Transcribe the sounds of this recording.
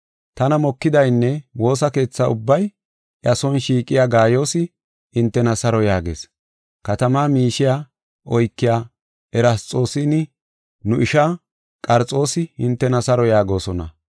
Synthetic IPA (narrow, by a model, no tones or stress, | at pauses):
t̪ɐnɐmɔkːɪd̪ɐjnːɛwo̞ːsɐke̞ːt͡sːɐʊbːɐj | ʔɐsɔnʃiːkʼɪjaːɡaːjo̞ːsɪ | ɪnt̪ːɛnɐsɐɾɔjaːɡḛːs | kɐt̪ɐmaːmiːʃɪja | ʔɔjkːɪjaː | ɛɾɐst͡sʼo̞ːsɪnɪ | nʊʔɪʃa | kʼɐɾt͡sʼːo̞ːsɪhɪnt̪ːɛnɐsɐɾɔjaːɡo̞ːsɔnɐ̰